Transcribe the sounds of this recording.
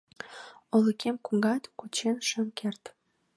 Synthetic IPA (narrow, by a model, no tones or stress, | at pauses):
oləkʰemkuŋɡɑt̪kut͡ɕenʃə̆mkert̪